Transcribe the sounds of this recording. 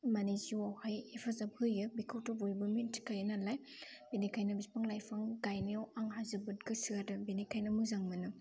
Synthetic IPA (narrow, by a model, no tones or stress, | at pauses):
maniziwawhajepʰazab̚hɯjɯbikʰawtobojbɯmintʰi̥kajnalaj | benikʰajnabispaŋlajpʰaŋɡajniawaŋɦazɯbɯt̚ɡɯsiadɯbenikʰajnɐmuzaŋmɯnɯ